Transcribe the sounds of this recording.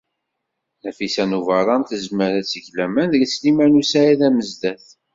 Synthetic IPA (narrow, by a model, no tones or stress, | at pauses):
næfisænuvəɾˤɑnt̪əzməɾæt͡sːəʝlæmænðɡislimænusææðæməzd̪æθ